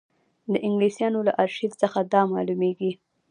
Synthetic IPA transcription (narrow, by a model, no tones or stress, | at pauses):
d̪əʔɪŋɡlisjɑnolaʔaɾʃid̪səxad̪ɑmɑlumeɡi